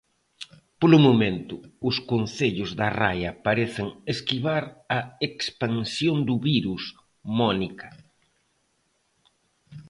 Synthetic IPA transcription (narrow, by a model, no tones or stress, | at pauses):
polʊmomẽnt̪ʊʊskon̟θeʎʊzðɐra̰jɐpaɾeθɪŋeskiβaɾɐekspaŋsjond̪ʊβiɾus | mɔnikɐ̥